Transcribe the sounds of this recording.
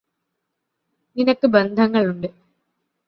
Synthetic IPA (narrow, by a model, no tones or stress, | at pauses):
ninɐkːɨbend̪ʱɐŋːɐɭuɳɖɨ